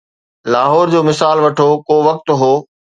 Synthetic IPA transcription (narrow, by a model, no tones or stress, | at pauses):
laːɦɔːɾd͡ʑoːmɪsaːlʋɐʈʰoːkoːʋɐk̚t̪ɦoː